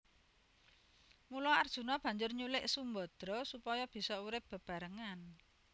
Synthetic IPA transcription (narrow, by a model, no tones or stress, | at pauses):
mulɔard̥ʒ̥ṳnɔb̥ä̤ɲd͡ʒʊrɲulɪʔsumbɔd̪̥ɾɔsupɔjɔb̥i̤sɔuɾɪp̚b̥ə̤b̥ä̤ɾəŋan